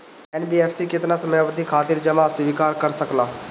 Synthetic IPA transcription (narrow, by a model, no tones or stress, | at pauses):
ɛːnbiːeːfʰsikɪt̪nasɐmɛʋəd̪ʱikʰaːt̪ɪɾd͡ʒɐmasʋiːkaːɾkɐɾsəklaː